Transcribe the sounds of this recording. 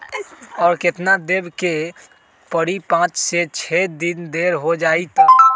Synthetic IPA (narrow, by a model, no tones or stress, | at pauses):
ɔːɾkɪt̪nad̪eːbke | pəɽipãːt͡ʃset͡ʃʰed̪ɪnd̪eːɾɦod͡ʒaːit̪a